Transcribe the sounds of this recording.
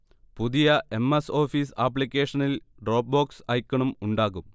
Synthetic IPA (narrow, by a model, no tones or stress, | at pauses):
puðijɐe̞mːeso̞ːfiːsap̬ːlikʲːe̞ːʂɐnil | ɖro̞ːp̚boːksɐjkʲːɐɳumuɳɖaːɣum